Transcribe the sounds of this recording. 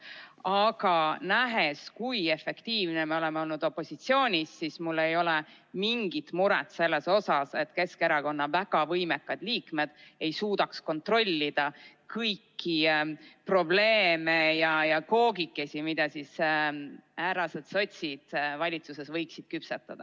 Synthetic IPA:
ɑɡ̥ɑnæɦe̞skuje̞fe̞kt̪iːvnemeo̞le̞meo̞lnud̪̥o̞pːˑo̞sit̪sio̞ːnʲisːismulːe̞jo̞le | miŋɡ̥it̪muɾet̪se̞lːe̞so̞sɑse̞t̪ːˑke̞skeɾɑko̞nːɑvæɡ̥ɑvɤjmekːˑɑd̪̥liːkme̞d̪̥ejsuːd̪ɑksko̞nt̪ro̞lʲːid̪̥ɑ | kɤjkʰːipro̞ble̞ːme̞jɑjɑko̞ːɡikːe̞simid̪̥ɑsis | æːɾɑsed̪̥sot̪ʲsid̪̥vɑlʲit̪suse̞svɤjksid̪̥kypset̪ːˑɑd̪̥ɑ

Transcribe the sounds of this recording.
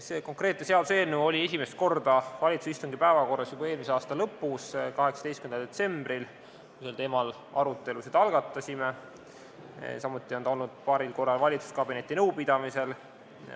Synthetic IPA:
seːko̞ŋkɾe̞ːt̪nese̞ɑlse̞ːnuo̞lʲie̞s̬ʲimest̪̚ko̞rd̪̥ɑvɑlʲit̪susist̪uŋɡipæevɑko̞rːɑsjubɑeːlmis̬eɑːst̪ɑlɤpːˑuskɑɦeksɑ̥d̥̪estkymend̪ɑd̪et̪se̞mb̥ril | kuselt̪e̞ːmɑl | ɑɾut̪ːˑe̞lused̪ɑlɡ̥ɑt̪ːˑɑsʲime̞ | sɑmut̪ːˑio̞nt̪ɑo̞lnud̪̥̚pɑːɾilko̞rːɑlvɑlʲit̪su̥skɑbine̞t̪ːˑinɤ̞wpid̪̥ɑmise̞l

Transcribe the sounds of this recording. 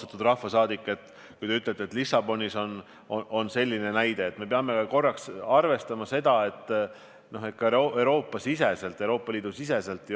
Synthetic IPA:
t̪ɑt̪ːud̪̥rɑhːɑsɑːd̪ikːˑet̪ːˑ | kkujt̪e̞yt̪let̪ːet̪lisɑb̥o̞nʲiso̞n | oʔo̞nse̞lʲːine̞næjd̪̥e̞ːt̪ːme̞peɑme̞kɑko̞rːɑksɑrve̞st̪ɑmɑse̞d̪̥ɑe̞t̪ː | no̞ɦet̪̚kːɑeɾo̞ːpːˑɑsise̞se̞lt̪ːˑewɾo̞ːpːˑɑliːd̪usise̞se̞lt̪ːˑj

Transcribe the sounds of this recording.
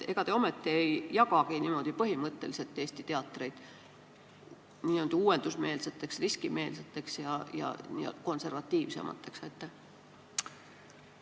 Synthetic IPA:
e̞̰ɡ̥ɑt̪e̞o̞me̞t̪ːiejjɑɡɑkiniːmo̞d̪̥ipɤɦimɤt̪ˑːe̞lise̞t̪ːˑeːst̪it̪e̞ɑt̪ːˑre̞jd̪̥ | niːøwd̪̥uuːe̞nd̪̥usme̞ːlse̞t̪ːˑe̞ksriskime̞ːlse̞t̪ːˑe̞ksjɑjɑ̰nḭko̞nse̞rvɑt̪ːˑiːvse̞̰mʔɑ̰t̪ːˑe̞ksɑjt̪ːˑe

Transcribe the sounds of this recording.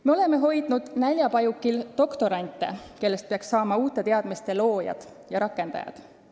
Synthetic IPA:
meo̞le̞me̞ɦo̞jd̪nud̪̥nælʲjɑpɑjukːilt̪o̞kt̪o̞ɾɑnʲt̪ːˑḛke̞lːe̞st̪peɑksːɑːmɑuːt̪ˑːe̞t̪e̞ɑd̪̥mist̪e̞lo̞ːjɑ̰d̪̥ | jɑɾɑkːˑe̞nd̪ɑ̰jɑ̰d̪̥

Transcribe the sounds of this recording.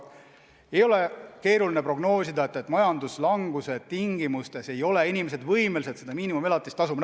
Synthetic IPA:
e̞jo̞le̞ke̞ːɾulinepro̞ɡno̞ːsid̪ɑe̞t̪ːˑet̪ːˑmɑjɑnd̪uslɑŋɡ̥use̞t̪iŋɡ̥imust̪e̞se̞jo̞le̞inʲimese̞d̪vɤjmelise̞t̪se̞d̪ɑmiːnimume̞lɑt̪ːˑist̪ɑsum

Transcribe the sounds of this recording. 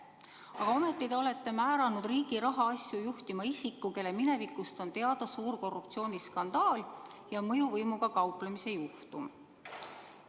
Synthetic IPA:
ɑɡ̥ɑome̞t̪ˑːid̪eo̞le̞t̪ːe̞mæːɾɑnud̪̥riːɡ̥iɾɑɦɑɑsʲjujuht̪imɑisikːuke̞lːe̞mine̞vikːˑust̪o̞nt̪e̞ɑd̪̥ɑsuːɾko̞rːup̚t̪sio̞ːnʲiskɑnd̪̥ɑːljɑmɤjuvɤjmuɡ̥ɑkɑwplemise̞juht̪um

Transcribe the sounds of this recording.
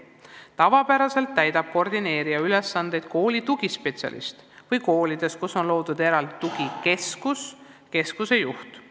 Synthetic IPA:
t̪ɑvɑpæɾɑse̞lt̪ːæjd̪ɑb̥̚ko̞rd̪ine̞ːɾiɑyle̞sːɑnd̪e̞jd̪̥̚ko̞ːlit̪uɡ̥ispe̞t̪sʲɑ̰lʔḭst̪ | vɯjko̞ːlid̪̥e̞skuso̞nlo̞ːd̪̥ud̪eɾɑld̪i̥t̪uɡike̞skus | ke̞skuse̞juht̪

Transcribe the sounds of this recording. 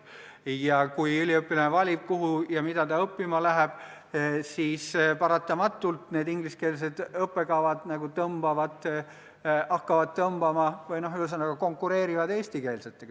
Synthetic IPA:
jɑkujylʲiɤpːˑilɑnevɑlʲib̥̚kuɦujɑmid̪̥ɑt̪ɑɤpːimɑlæɦeb̥ | siːspɑɾɑt̪ːˑɑmɑt̪ˑːult̪neːd̪iŋɡ̥liske̞ːls̬e̞d̪̥ɤpːˑe̞kɑvɑd̪̥nɑɡ̥ut̪ɤmb̥ɑvɑd̪ˑ | ɑkːɑvɑd̪̚t̪ɤmb̥ɑmɑvɤjno̞ɦyles̬ɑnːɑɡ̥ɑko̞ŋkːˑuɾe̞ːɾivɑd̪e̞ːst̪ike̞ːlset̪ːˑek

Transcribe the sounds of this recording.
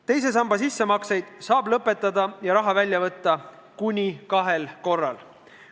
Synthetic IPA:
t̪e̞js̬e̞s̬ɑmbɑsisːemɑksejd̪̥sɑːblɤpːˑe̞t̪ːˑɑd̪ɑjɑɾɑɦɑvælʲjɑvɤt̪ˑːɑ | kunʲikɑɦe̞lko̞rːɑl

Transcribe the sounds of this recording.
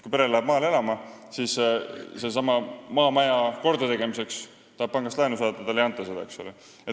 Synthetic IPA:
kujpe̞ɾellæeb̥mɑːle̞lɑmɑsiːsse̞s̬ɑmɑmɑːmæjɑko̞rd̪ut̪e̞ɡe̞mise̞ks | t̪ɑhɑb̥̚pɑŋɡɑst̪lɑjnusɑːt̪ːɑd̪ɑlejɑnt̪ːˑɑsed̪ɑ̰e̞ksole | e

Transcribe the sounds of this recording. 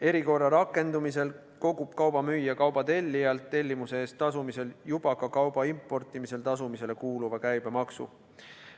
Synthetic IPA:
e̞ɾiko̞rːɑɾɑkːˑe̞nd̪umise̞l | ko̞ɡub̥̚kɑwb̥ɑmyjːɑkɑwb̥ɑt̪e̞lʲːijɑlt̪ːe̞lʲːimuse̞e̞ːst̪ːɑsumise̞ljub̥ɑkɑkɑwb̥ɑimpːˑo̞rt̪ːˑimise̞lt̪ɑsumise̞le̞kuːluvɑkæjb̥e̞mɑksṵ

